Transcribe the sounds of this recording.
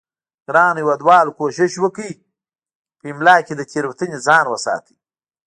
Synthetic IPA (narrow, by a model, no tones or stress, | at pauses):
ɡɾɑːnjwad̪wɑːlkoːʃɪʃwəkəi | pəimlɑːkʲed̪əkʲeɾwt̪əned͡zɑːnwəsɑ̰ːt̪ʰi̥